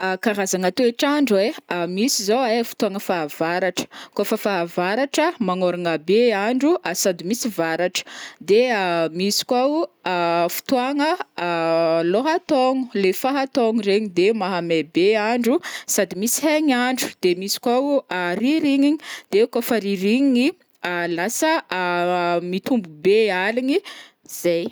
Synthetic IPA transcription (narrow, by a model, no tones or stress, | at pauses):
akaɾazaŋat̪ueʈ͡ʂaɳɖ͡ʐeamisizoefi̥t̪uaŋəfaav̥aɾaʈ͡ʂə̥kofəfaɦavaɾaʈ͡ʂəmaŋoɾaŋabeaɳɖ͡ʐuasad̪imisivaɾaʈ͡ʂə̥d̪eamisi̥kwaw | fi̥t̪uaŋə | loɦat̪oŋu̥lefaɦat̪oŋuɾeɲid̪emaɦamebeaɳɖ͡ʐusad̪imisi̥ɦaɲaɳɖ͡ʐu̥d̪̥emisi̥kwawariɾiɲiɲid̪̥eekafaɾiɾiŋiɲi | alasə | mit̪umbubealini | z̥ej